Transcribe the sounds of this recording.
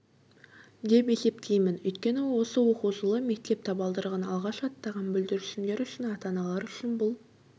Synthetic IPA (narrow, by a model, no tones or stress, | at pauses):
d̪e̞pe̞se̞p̚t̪ʰejmɪnɵjt̪kʲe̞nɪwwo̞səwo̞quzəlˠəme̞k̚t̪e̞p̚t̪ʰɑbɑlˠd̪əɾʁɑnɑlˠʁɑʃɑt̪ːɑʁɑnbʏld̪ɪɾɪʃɪmd̪e̞ɾʏʃɪnɑt̪ɑnɑlˠɑɾʏʃɪnbʊlˠ